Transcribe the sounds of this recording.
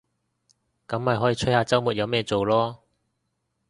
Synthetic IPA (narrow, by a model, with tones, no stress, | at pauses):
kɐ˨˥mːɐ˨jɦɔː˨˥jiː˧t͡ʃʰɵ˥haː˧t͡sɐ˥wmuː˨t̚jɐ˨˧wmɛː˥t͡so˨wlɔː˥